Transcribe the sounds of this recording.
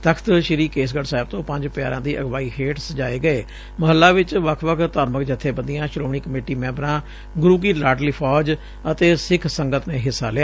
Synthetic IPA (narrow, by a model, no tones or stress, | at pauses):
t̪əkʰt̪ʃɪɾiːkeːs̬ɡəɖsaːɪb̚t̪õːpə̃ɲd͡ʒpja̰ːɾãːd̪iːʔəɡʋaːiːkʰeːʈsd͡ʒaːeːɡəeː | məɦəlːaːʋɪt͡ʃʋəkʰʋəkʰt̪aːɾməkd͡ʒət̪ʰːeːbə̃nd̪ijãːʃɾoːɳ̃iːkəmeːʈiːmɛ̃ːmbɾãː | ɡʊɾuːɡiːlaːʈliːpʰɔːd͡ʒ | ət̪eːsɪkʰsəŋɡət̪neːɦɪsːa̰ːlɪaː